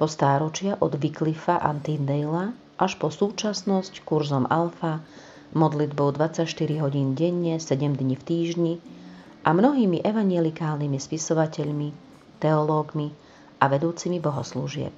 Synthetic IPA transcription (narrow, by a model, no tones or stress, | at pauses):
pɔst̪aːɾɔt͡ʃɪaʔɔd̪ʋiklifaʔant̪ind̪ɛjla | ʔaʃpɔsuːt͡ʃasnɔsckuɾzɔmalfa | mɔd̪lid̪bɔʊd̪ʋat͡sacʃt̪iɾiɦɔɟiːnɟɛɲːɛsɛɟɛmd̪ɲift̪iːʒɲi | ʔamnɔɦiːmiʔɛʋaɲjɛlikaːlnimispisɔʋacɛʎmi | t̪ɛɔlɔːɡmi | ʔaʋɛd̪uːt͡simibɔɦɔsluʒɪɛ̰p̚